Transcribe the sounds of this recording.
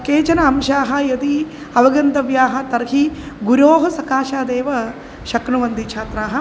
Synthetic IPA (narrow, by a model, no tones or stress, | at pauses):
keːt͡ʃɐnɐɐmʃaːɦɐ̆jɐd̪i | ɐʋɐɡɐnt̪ɐʋjaːɦɐ̆t̪ɐɾhi | ɡuɾoːɦɐsɐkaːʃaːd̪eːʋɐ | ʃɐknuʋɐnd̪ʱit͡ʃʰaːt̪ɾaːɦɐ̆